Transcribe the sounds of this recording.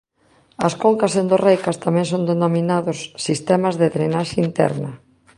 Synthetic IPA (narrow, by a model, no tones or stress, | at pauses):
ɐskoŋkasend̪orejkɐst̪amɛ̃ŋsond̪enominaðʊsːist̪ɛmazðeðɾenaʃaint̪ɛ̰ɾnɐ